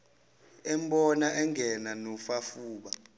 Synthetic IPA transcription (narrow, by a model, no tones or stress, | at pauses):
ɛmɓɔnaʔɛŋɡʱɛnanɔfafuːɓa